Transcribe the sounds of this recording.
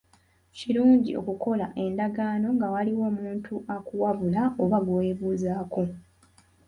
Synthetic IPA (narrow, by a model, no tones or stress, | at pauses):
ciɾuːɲɟio̞̰kuko̞laʔe̞ndaɡaːno̞ŋɡawaliwo̞ːmuːntʰuʔakuwaβulaoβaɡoe̞ːβuːzaːko̞